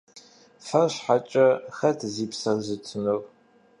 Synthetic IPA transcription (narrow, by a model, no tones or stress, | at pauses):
fɐrɕħat͡ʃʼɐxɐtʰziːpsɐrzɨtʰɨnɨr